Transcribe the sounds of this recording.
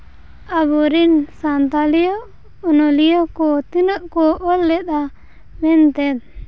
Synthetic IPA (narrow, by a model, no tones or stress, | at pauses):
abuɾinsant̪alijɔ | ɔnɔlijɔkɔt̪inəʔkɔʔɔlːɛt̪̚a | mɛnt̪ɛd̪̚